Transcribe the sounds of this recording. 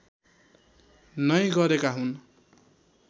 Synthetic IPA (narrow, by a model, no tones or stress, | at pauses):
nʌj̃ɡʌɾekaɦun